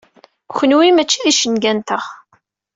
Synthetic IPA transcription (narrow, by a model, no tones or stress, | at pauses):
çʷənwimæt͡ʃːiðiʃənɡænt̪əʁ